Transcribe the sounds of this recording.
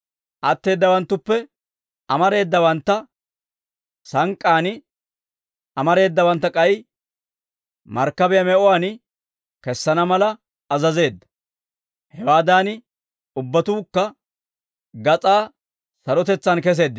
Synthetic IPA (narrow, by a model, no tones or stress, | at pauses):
ʔɐt̪ːe̞ːd̪ːɐwɐnt̪ːʊpːɛ | ɐmɐɾe̞ːd̪ːɐwɐnt̪ːɐ | sɐŋkʼːaːnɪ | ʔɐmɐɾe̞ːd̪ːɐwɐnt̪ːɐkʼɐj | mɐɾkːɐbɛjɐmɛʔɔwaːnɪ | kɛsːɐnɐmɐlɐː | zɐze̞ːd̪ːɐ̥ | hɛwaːd̪aːnɪ | ʊbːɐt̪uːkːɐ | ɡɐt͡sʼaː | sɐɾɔt̪ɛt͡sːɐnkɛs̬e̞ːd̪ːɪ